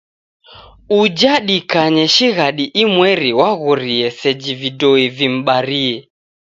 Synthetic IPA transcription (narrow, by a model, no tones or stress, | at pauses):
ud͡ʒaɗikaɲɛʃiɣaɗiʔimwɛɾiwaɣɔɾiɛsɛd͡ʒividɔivim̩ɓaɾiɛ